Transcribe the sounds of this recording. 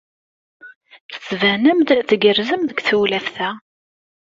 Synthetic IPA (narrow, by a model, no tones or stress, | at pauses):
θə̥t͡svænəmd̪θɡərzəmðəɡʷθuwlæfθæ